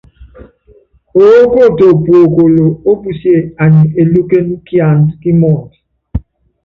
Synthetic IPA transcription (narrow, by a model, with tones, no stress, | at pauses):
o˨wo˦ko˦˨to˨po˨ko˨lo˨o˦bu˦˨si˦e˦˨a˨ɲi˨e˨lu˦ke˦nu˦ki˦a˨nki˦mɔ˦˨t